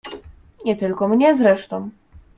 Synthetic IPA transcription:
ɲʲɛt̪ɘlkɔmɲɛzɾɛʂt̪ɔ̃w̃

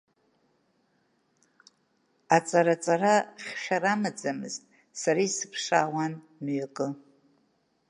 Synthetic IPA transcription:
at͡sʼaɾat͡sʼaraχʲχʲaɾamad͡zamɨ̰ztʼ | saɾisɨ̥pʰʂaːwan | nɥakʼɨ

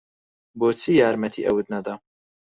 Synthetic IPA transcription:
boːt͡sʰijaːɾmɐt̪ʰḭʔɐ̰wɨd̪nɐd̪ɐ

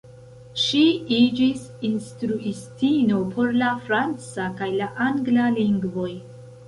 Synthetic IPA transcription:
ʃiid͡ʒisinstɾuistino̞pʰo̞ɾlafɾant͡sakajlaʔaŋɡlaliŋɡvo̞j

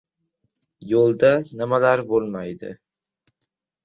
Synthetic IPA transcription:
jolˠd̪anɪmalaɾbolˠmajd̪ɪ̰

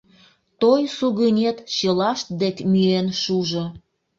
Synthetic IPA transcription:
t̪ojsuɣənʲet̪t͡ɕɤlɑʃt̪̚d̪ekmyenʃuʒo

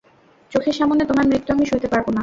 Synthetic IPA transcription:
t͡ɕokʰeɾʃamonet̪omaɾmɾit̪ːuamiʃuɾt̪epaɾbona

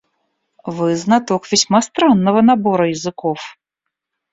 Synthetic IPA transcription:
vɨznat̪ɔkvʲɛsʲmast̪ɾanːɐvɐnabɔɾɐjɐzɨkɔf

